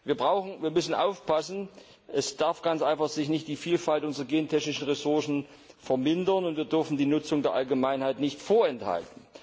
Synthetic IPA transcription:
viːɐbʁaʊxn̩viːɐmʏsn̩ʔa̰ʊfpasn̩ | ʔɛsd̥aɐfɡ̥ant͡sʔaɪnfaχz̥ɪçnɪçt̚d̥iːfiːlfaltʔʊnzʁɐɡeːntʰɛçnɪʃn̩ʁɛsʊɐsn̩ | fɛɐmɪndɐnʊntv̥iːɐdʏɐfn̩diːnʊt͡sʊŋdeːɐʔalɡəmaɪnhaɪtnɪçtfoːɐɛntha̰ltn̩

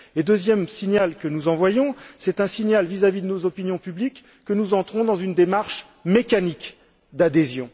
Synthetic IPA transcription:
ed̪øzjɛmsinjalkənuzɑ̃vwajɔ̃sɛt̪ɛ̃siɲjalvizavid̪ənozɔpinjɔ̃pyblikː | ənuzɑ̃t̪χɔ̃d̪ɑ̃zynd̪emaʁʃ | mekanik | d̪ad̪ezjɔ̃

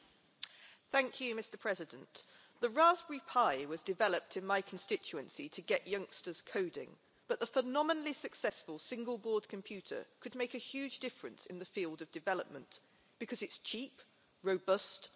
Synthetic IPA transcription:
θæ̃ŋkʰjɨmɪstə˞pʰɹ̥ɛzɪdə̃nʔ | ðəɹɑzbəɹipʰaɪwʌzdɨvɛləp̚tʰɨ̃nmaɪkʰn̩stɪt͡ʃʉə̃nsitʰɨɡɛʔjʌ̃ŋkstəz̥kʰoʊdɪ̰̃ŋ | b̥ʌʔ̪̚ðəfənɑmənəlisɨksɛsfəlˠsɪ̃ŋɡəlˠbɔːd̚kʰə̃mpʰj̥ʉˑtə̰˞kʰɨd̚meɪkɨhjʉd͡ʒdɪfɹɨ̰̃nsɨ̃nðəfilˠdʌvdɨvɛləp̚mə̃n | b̥ɨkʰʌzɨtst͡ʃʰiˑp | ɹəʊbʌst

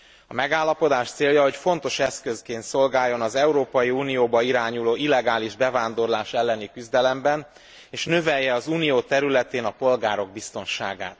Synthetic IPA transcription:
ɒmɛɡaːlːɒpo̞d̪aːʃt̪seːljɒɦocfo̞n̪t̪o̞ʃɛskøskeːnt̪so̞lɡaːjːo̞nɒzɛuɾoːpɒjiuːnijoːbɒiɾaːɲuloːilːɛɡaːliʒbɛvaːnd̪o̞rlaːʃɛlːɛnikyzd̪ɛlɛmbɛn | eːʃnø̞vɛjːɛɒzuːnijoːt̪ɛɾylɛt̪eːnɒpo̞lɡaːɾo̞ɡ̚bist̪o̞nʃa̰ːɡa̰ːt̪

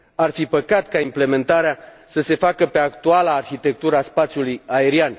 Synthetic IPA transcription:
arfipəkat̪kaimple̞me̞nt̪aɾeasəse̞fakəpe̞akt̪ualaːrçit̪e̞k̚t̪uɾəaspat̪sʲjulujae̞ɾian

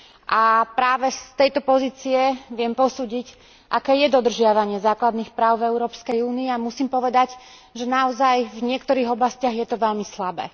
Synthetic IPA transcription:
ʔapɾaːʋɛst̪ɛjt̪ɔpɔziːt͡siɛʋɪɛmpɔsuːɟic | ʔakɛːjɛd̪ɔd̪r̩ʒɪaʋaɲɪɛzaːklad̪niːxpɾaːʊvɛuɾɔːpskɛjuːniːamusiːmpɔʋɛd̪aɟ | ʒɛnaɔzajvɲɪɛkt̪ɔɾiːɣɔblascɪaɣjɛt̪ɔʋɛʎmislabɛ̰ː

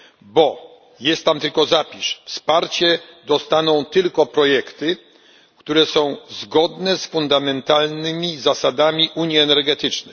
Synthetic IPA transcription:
bɔ | jɛst̪ːamt̪ɘlkɔzapʲiʂfspaɾt͡ɕɛd̪ɔst̪anɔ̃w̃t̪ɘlkɔpɾɔjɛkt̪ɘ | kt̪uɾɛsɔ̃w̃zɡɔd̪nɛsfund̪amɛnt̪alnɘmʲizasad̪amʲiʔuɲjiɛnɛɾɡɛt̪ɘt͡ʂnɛ

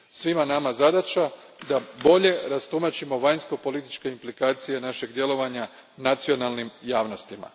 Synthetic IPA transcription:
sʋimanamazad̪at͡ʃad̪abo̞ʎe̞ɾast̪umat͡ʃimo̞ʋajnsko̞po̞lit̪it͡ʃke̞implikaːt̪sije̞naʃe̞ɡd̪je̞lo̞ʋaɲa | nat̪sio̞nalˠnimjaːʋno̞st̪ima̰

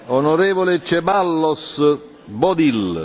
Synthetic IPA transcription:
onoɾeːvolet͡ʃɛbalːɔs | bɔd̪il

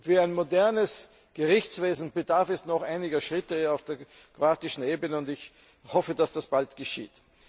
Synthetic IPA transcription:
viːæɪnmodɛɐnəs | ɡ̥əʁɪçt͡sv̥eːzn̩bədaɐfɛstnɔχaɪnɪɡɐʃʁɪtəaʊfd̥eːɐ | kʁoaːtɪʃn̩eːbənəʊntɪç | hɔfəd̥asd̥asb̥altɡ̥əʃḭːt

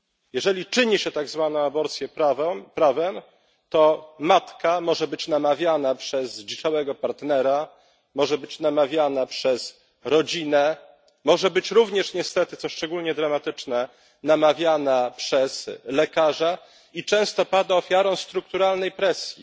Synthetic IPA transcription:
jɛʐɛlʲit͡ʂɘɲiɕɛt̪aɡzvanɔ̃w̃abɔɾt̪sʲjɛpavmpɾavɛm | t̪ɔmat̪kamɔʐɛbɘt͡ɕnamavʲjanapʂɛzd͡ʑit͡ʂawɛɡɔpaɾt̪nɛɾa | mɔʐɛbɘt͡ɕnamavʲjanapʂɛz | ɾɔd͡ʑinɛ | mɔʐɛbɘt͡ɕɾuvɲɛʂɲɛst̪ɛt̪ɘt̪sɔʂt͡ʂɛɡulɲɛd̪ɾamat̪ɘt͡ʂnɛ | namavʲjanapʂɛzlɛkaʐa | it͡ʂɛ̃w̃st̪ɔpad̪aɔfʲjaɾɔ̃w̃st̪ɾuk̚t̪uɾalnɛjpɾɛsʲjḭ

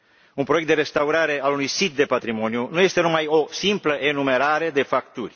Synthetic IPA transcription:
unpɾo̞jekt̪d̪ee̞st̪auɾaɾe̞alunujsit̪̚d̪e̞pat̪ɾimo̞njunuje̞st̪e̞numajo̞simpləʔe̞nume̞ɾaɾe̞d̪e̞fakt̪urʲ

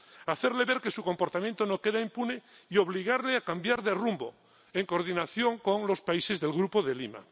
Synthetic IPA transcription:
aθe̞ɾle̞βeɾke̞suko̞mpo̞ɾt̪amjẽnt̪onoke̞ð̞aimpuneio̞β̞liɣ̞aɾleakambjaɾðerumbo | eŋko̞ɾðinaθjo̞ŋko̞ŋlospaise̞zðe̞lɣɾupoðelima̰

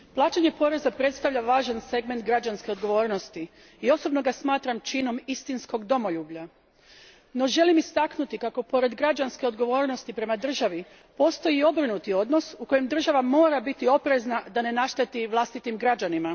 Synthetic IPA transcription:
plˠaːt͡ʃeɲepo̞ɾe̞zapɾe̞t̪st̪aʋʎʲaʋaːʒanse̞ɡment̪̚ɡɾad͡ʑanske̞o̞d̪ɡo̞ʋo̞ːɾno̞st̪i | io̞so̞bno̞ɡasmaːt̪ɾamt͡ʃino̞mist̪insko̞ɡd̪o̞mo̞ʎuːbʎa | no̞ʒe̞limist̪aknut̪ikako̞po̞ɾe̞d̪ɡɾad͡ʒanske̞o̞d̪ɡo̞ʋo̞ːɾno̞st̪ipɾe̞mad̪r̩ʒaʋi | po̞st̪o̞jio̞bɾinut̪io̞d̪no̞suko̞jemd̪r̩ʒaʋamo̞ːɾabit̪io̞pɾe̞znad̪ane̞naʃt̪et̪iʋlˠast̪it̪imɡɾad͡ʑanima

